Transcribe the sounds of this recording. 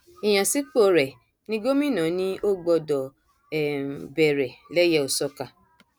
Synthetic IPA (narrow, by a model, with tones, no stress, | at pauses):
i˨j̃ã˨si˨˦k͡po˦˨ɾɛ˨ | nĩ˦ɡo˦mĩ˦˨nã˨˦nĩ˦o˦ɡ͡bɔ˧dɔ˨ | ɛ˨bɛ˨ɾɛ˨lɛ˦jɛ˦o˨sɔ˧ka˨